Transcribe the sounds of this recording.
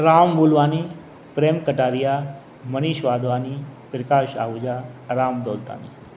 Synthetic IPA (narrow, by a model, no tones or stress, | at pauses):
ɾaːmʋuːlʋaːni | pɾeːmkəʈaːɾija | məniːʃʋaːd̪ʋaːnipɾɪkaːʃa̰ːʋud͡ʒaɾaːmd̪oːlt̪a̰ːnḭ